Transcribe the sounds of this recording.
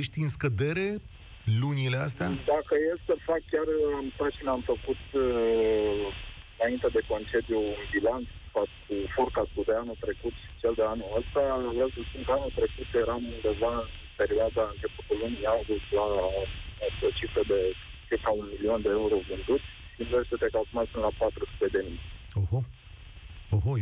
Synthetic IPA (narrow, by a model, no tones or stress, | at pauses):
eʃt̪ɨnskəd̪e̞ɾe̞ | lunile̞ast̪ead̪akəjesəfakkʲaramst̪at̪t͡ʃinamfəkut̪ɨ | ɨnaint̪ed̪e̞ko̞nt͡ʃe̞d̪iuunbilant̪sfat̪kʰufurkast̪ud̪eanult̪ɾe̞kut̪ʃi̥t͡ʃeld̪eanuləst̪avesəspunkəanult̪ɾe̞kut̪jeɾamund̪e̞vaɨnpe̞ɾioad̪aɨnt͡ʃe̞put̪ulunialɡuslaooot͡ʃifɾəd̪e̞t͡ʃirkaunmilio̞nd̪eeuɾo̞vɨnd̪ut̪ | ʃineset̪ekalsumat̪spɨnlapat̪ɾusu̥t̪e̞d̪e̞mij | oho | oɦo